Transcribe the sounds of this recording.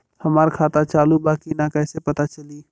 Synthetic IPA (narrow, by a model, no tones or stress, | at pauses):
həmaːɾkʰaːt̪at͡ʃaːlubaːkinakɛːsepɐt̪at͡ʃəliː